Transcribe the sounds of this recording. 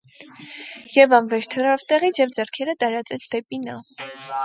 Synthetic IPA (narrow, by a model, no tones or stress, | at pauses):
jɛvɑnvɛɾt̪ʰərɑvt̪ɛʁit͡sʰjɛvd͡zɛrkʰɛɾət̪ɑɾɑt͡sɛt͡sʰd̪ɛpinɑ